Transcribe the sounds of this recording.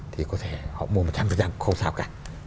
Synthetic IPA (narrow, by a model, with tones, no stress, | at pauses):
t̪ʰi˨˩kɔ˨˦t̪ʰe˧˩hɔ̰˧˨mu˧əo˨˩t̚t͡ɕa˧mvəː˨˩nt͡ɕaː˧ŋkxə˧ŋ͡msaː˧˩wkaː˧˩